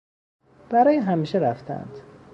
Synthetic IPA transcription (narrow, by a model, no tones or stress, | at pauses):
b̥æɾɒːjeɦæmiːʃeɾæft̪ʰæ̰nd̪̥